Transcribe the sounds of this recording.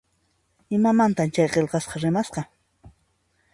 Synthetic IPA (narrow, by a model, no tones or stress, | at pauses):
ɪmamant̪amt͡ʃajqelqɑsqɑɾɪmasqɑ